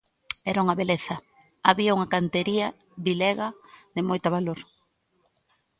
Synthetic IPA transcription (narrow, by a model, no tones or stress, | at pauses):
ɛɾauŋɐβeleθɐ | aβiauŋɐkant̪eɾiɐ | βilɛɣɐðɪmojt̪aβaloɾ